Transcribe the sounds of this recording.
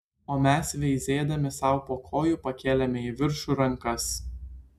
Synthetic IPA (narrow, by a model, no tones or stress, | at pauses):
oːmʲɛsʋʲɛɪzʲeːd̪ɐmʲɪsɐʊpoːkʰoːjuˑpɐkʲeːlʲɛmʲɛiʋʲɪɾʃuɾɐŋˑkɐs